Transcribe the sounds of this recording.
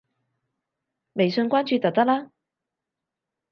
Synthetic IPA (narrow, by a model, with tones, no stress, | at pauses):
me˨˩jsɵ˧nkʷaː˥nt͡ʃyː˧t̪ɐ˨k̚t̪ɐ˥k̚laː˥